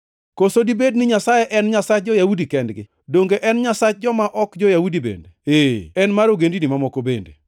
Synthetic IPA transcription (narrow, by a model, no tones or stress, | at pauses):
kosodibednɪɲasajeʔɛnɲasat͡ʃ̚d͡ʒɔjaudikɛndɡɪ̰ | doŋɡeʔɛnɲasat͡ʃd͡ʒɔmaʔɔkd͡ʒɔjaudibḛndeeɛnmaɾoɡendinɪmamɔkobḛndḛ